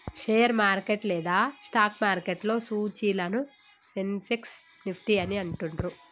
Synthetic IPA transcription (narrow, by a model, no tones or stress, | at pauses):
ʂeːjɐɾmaːɾkeʈlɛːd̪aːsʈaːkmaːɾkeʈlo̞ːsuːt͡ʃiːlɐnu | senseks | nipʰʈiɐniɐɳʈunɾu